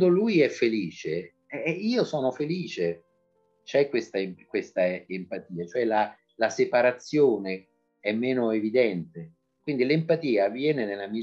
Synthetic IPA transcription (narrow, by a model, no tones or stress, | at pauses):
d̪olujɛfːeliːt͡ʃe | ɛiːosɔːnofeliːt͡ʃe | t͡ʃɛkːwest̪akwest̪aempat̪iːat͡ʃoɛla | lasepaɾat̪sːjoːne | ɛmːɛːnoevid̪ɛnt̪e | kwind̪ilempat̪iːavːjɛːnenelːami